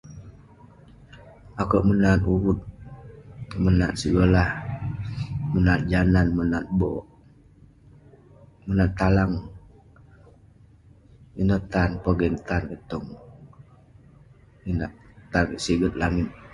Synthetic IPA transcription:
ʔakəʔmənat̪̚uwut̪̚ | mənat̪̚səɡolah | mənat̪̚d͡ʒananmənat̪̚bɔʔ | mənat̪ːalaŋ | inət̪anpəɡɛnt̪ankət̪ɔŋ | ina̰ʔt̪arsiɡət̪̚laŋɪt̪̚

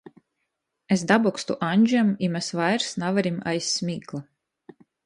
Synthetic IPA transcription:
esd̪abɔkst̪uʔaɲʲd͡ʒamimɛsvajɾsnavaɾima̰jsʲːmʲiːklˠa

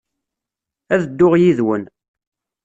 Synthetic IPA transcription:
æðd̪ːʊʁjiðwən

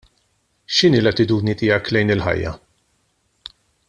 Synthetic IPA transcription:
ʃɪniːlɐt̪ːɪt̪uːd̪nit̪ɪːjɐklɛjnɪlħɐ̰jːɐ̰

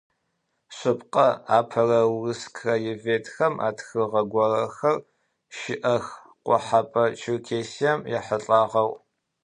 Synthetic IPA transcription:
ɕʷʊpqɐaːpʰɐrɐwrɨskʰrɐjɪveːtʰxɐmʔa̰ːtxɨʁɐɡʷɔrɐxɐr | ʃɪʔɐx | qʷʊ̰ħapʼɐt͡ʃʰɪrkʰeːsiɛmjɛħəɬʼaːʁɐw

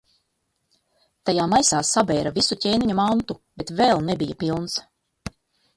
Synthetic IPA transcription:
t̪ajaːmajsaːsabɛːɾavisucʲeːniɲumant̪ub̥et̪vɛlˠnebijapilˠns

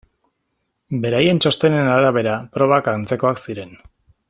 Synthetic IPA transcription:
be̞ɾaje̞nt͡ʃo̞st̪e̞ne̞naɾaβ̞e̞ɾapɾo̞β̞akant͡se̞ko̞aksiɾe̞n

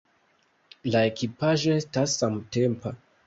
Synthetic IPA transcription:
lae̞kipaʒo̞e̞stasːamtempa

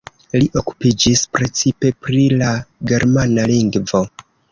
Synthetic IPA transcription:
liʔo̞ku̥pid͡ʒispɾe̞t͡sipe̞pɾilaɡe̞ɾmanaliŋɡvo̞

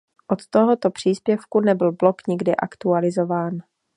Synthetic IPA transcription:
ʔot̪t̪oɦot̪opr̝̥iːspjɛfkunɛbɪlblokɲɪɡdɪʔakt̪ualɪzovaːn

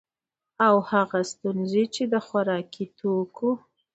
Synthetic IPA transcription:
awhaɣast̪unzet͡ʃed̪əxwaɾɑkʰit̪ʰoku

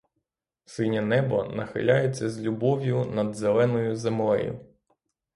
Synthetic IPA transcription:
sɪnʲɐnɛbɔ̰nɐxɪ̰lʲajet͡sʲːɐzʲlʲubɔʋʲjʊnɐd̪zelˠɛnɔjʊzemlˠɛjʊ̰

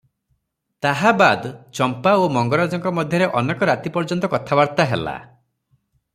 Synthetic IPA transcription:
t̪aɦabad̪t͡ʃɔmpaomɔŋɡɔɾad͡ʒɔŋkɔmɔd̪ʱjɔɾeʔɔnekɔɾat̪ipɔɾd͡ʒɔnt̪ɔkɔt̪ʰabaɾt̪aɦela̰

